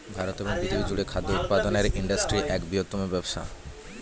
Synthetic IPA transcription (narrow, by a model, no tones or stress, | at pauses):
bʱaɾot̪eboŋbid̪iod͡ʑuɽekʰad̪ːjout̪̚pad̪oneɾiɳɖasʈɾiʔɛkbiɦot̪ːomobɛbʃa̰